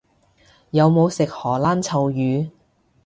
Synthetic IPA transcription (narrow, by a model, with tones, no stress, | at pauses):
jɐ˨˧wmo˨˧wsɪ˨k̚hɔː˨˩laː˥nt͡sʰɐ˨wjyː˨˧